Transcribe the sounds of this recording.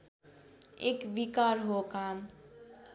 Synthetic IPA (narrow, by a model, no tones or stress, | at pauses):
ḛːkʋikaːɾɦokaːm